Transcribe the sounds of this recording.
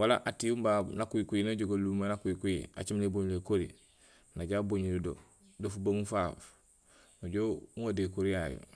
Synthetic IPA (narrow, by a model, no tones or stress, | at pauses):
walaʔatiumbanakujikujinaɟoɡalumanakujikujḭa̰t͡ʃimleboɲlekoɾḭ | naɟaboɲuludo̰ | dofubaŋufaf | noɟouŋadekoɾijajo̰